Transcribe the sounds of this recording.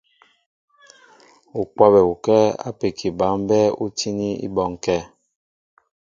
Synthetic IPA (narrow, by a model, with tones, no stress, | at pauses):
u˨kwa˦bɛ˨u˨kɛ˦a̰˦pe˨kʰi˨ba˨˦m˦bɛ˦u˦tʰi˦ni˦ḭ˦bɔ˦˨ŋ˨kɛ˦˨